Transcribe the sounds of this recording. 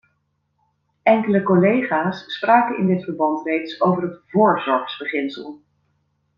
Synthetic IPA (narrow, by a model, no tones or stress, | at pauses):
ʔɛŋkələkolejχaːsːpraːkəɪ̰ndɪtfəɹbɑntrejtsowvərɦətvʊːɹzɔɹχsbəχɪnsəlˠ